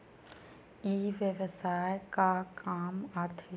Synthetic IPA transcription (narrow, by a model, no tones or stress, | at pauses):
iːʋjəʋsaːjkakaːmaːɾt̪ʰi